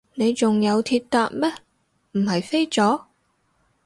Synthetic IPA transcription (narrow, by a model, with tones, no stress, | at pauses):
ne˨˧jt͡sʊ˨˩ŋjɐ˨˧wt̪ʰi˧t̚t̪aː˧k̚mɛː˦˥ | m̩˨˩hɐ˨jfe˥jt͡sɔː˨˥